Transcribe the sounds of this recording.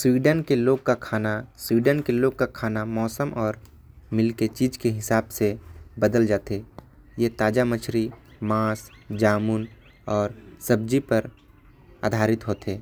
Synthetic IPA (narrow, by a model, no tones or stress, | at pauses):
swiːɖənkeloːɡ̚kakʰaːnaswiːɖənkeloːɡ̚kakʰaːnamɔːsəmʔɔːɾ | mɪlket͡ʃiːd͡ʒkeɦɪsaːbsebəd̪əld͡ʒaːt̪eː | jet̪aːd͡ʒamət͡ʃʰɾi | mãːsd͡ʒaːmun | ɔːɾsəb̚d͡ʒipəɾ | a̰ːd̪ʱaːɾɪt̪ɦoːt̪eː